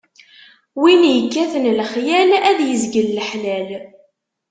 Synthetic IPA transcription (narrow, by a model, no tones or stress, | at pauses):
winjəkːæθənlχjælæðjəzɡəlːəħlæl